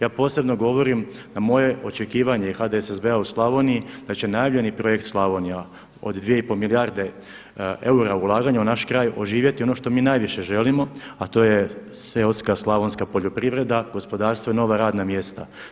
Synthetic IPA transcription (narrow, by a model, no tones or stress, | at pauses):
jaːpo̞ːse̞bno̞ɡo̞ʋo̞ɾimnamo̞je̞ʔo̞t͡ʃe̞kiːʋaɲeixad̪eesezbeauslˠaʋo̞nijid̪̥at͡ɕe̞najaʋʎʲe̞nipɾo̞jekt̪slˠaʋo̞nija | o̞̰d̪d̪ʋije̞ipo̞milijaɾd̪e̞ | e̞uɾaulˠaːɡaɲaunaʃkɾaːjo̞ʒiːʋjet̪io̞no̞ʃt̪o̞miːnajʋiʃe̞ʒe̞limo̞at̪o̞ːjeseot̪skaslˠaʋonskapo̞ʎo̞pɾiʋɾe̞d̪aɡo̞spo̞d̪aːɾst̪ʋoino̞ʋaɾaːd̪namje̞st̪a̰